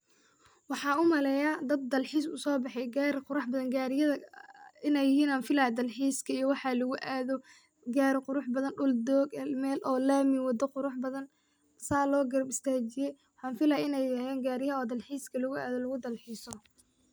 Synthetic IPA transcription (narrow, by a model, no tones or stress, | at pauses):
wɑħɑːʊmɐlɛjad̪ɐd̪̚d̪ɐlħiːsʊ̰sɔːbɑħɛjɡaːɾɪqʊɾɑħbɐðɐnɡaːɾɪjɐðɐɪnɛjɪhiːnaːnfɪlad̪ɐlħiːskʰɐijɔwɑħɑlɐɣʊʔaːðɔ | ɡaːɾɪqʊɾʊħbɐðɐnɖʊld̪ɔːɡɛlmɛːlʔɔːlaːmɪwɑd̪ɐqʊɾʊħbɐðɐn | saːlɔːɡɐɾɐbɪst̪ʰaːt͡ʃɪjɛjwɑħɑːnfɪlaɪnɛjɐhɛːŋɡaːɾɪjɐɔːd̪ɐlħiːskʰɐlɐɣʊa̰ːðɔlɐɣʊd̪ɐlħiːsɔ